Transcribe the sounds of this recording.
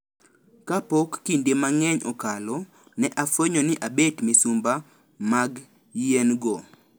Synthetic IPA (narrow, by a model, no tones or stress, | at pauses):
kapɔkːindemaŋɛɲɔkalɔ | nɛʔafeɲɔnɪʔabetmɪsumba | maɡ | jenɡɔ